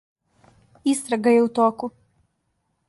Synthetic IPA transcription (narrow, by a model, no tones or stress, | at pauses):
ist̪ɾaɡajɛut̪oːku